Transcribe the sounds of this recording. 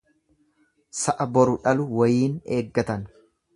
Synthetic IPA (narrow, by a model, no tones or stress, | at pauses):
sɐʔɐbɔɾʊᶑɐlʊwɐjiːne̞ːɡːɐt̪ɐn